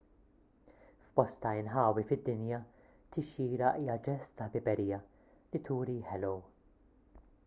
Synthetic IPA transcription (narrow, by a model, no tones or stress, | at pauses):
fbɔst̪ɐɪnħɐːwifɪd̪ːɪnjɐ | t̪ɪʃiːɾɐʔiːjɐd͡ʒɛst̪ɐbɪbɛɾiːjɐ | lit̪ʰuːɾiħɛlɔw